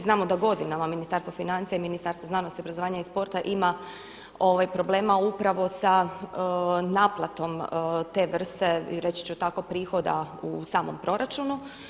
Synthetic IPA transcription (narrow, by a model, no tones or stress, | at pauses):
znaːmod̪aɡo̞d̪inamaminist̪aɾst̪ʋofinant̪sijaiminist̪aɾst̪ʋonaːnost̪iobɾazoaːɲaispo̞ɾt̪aʔima | o̞ʋajpɾo̞ble̞ːmaupɾaʋo̞sa | naːplˠat̪o̞mt̪e̞ːʋr̩st̪e̞̰ɾet͡ɕi̥t͡ʃɛot̪ako̞pɾiːxo̞d̪a̰ṵsaːmo̞̰mpɾo̞ɾat͡ʃunu